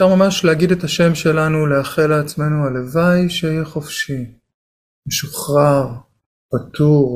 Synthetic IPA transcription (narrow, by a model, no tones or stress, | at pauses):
fʃaʁmamaʃleaɡidetaʃe̞mʃelanuleaχelaːt͡sme̞nualevajʃeijeχofʃi | meʃuχʁaʁ | patuʁ